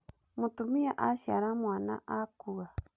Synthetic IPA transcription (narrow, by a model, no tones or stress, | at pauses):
mũt̪umĩaʔaʃia̰ɾamũanã̰ʔakua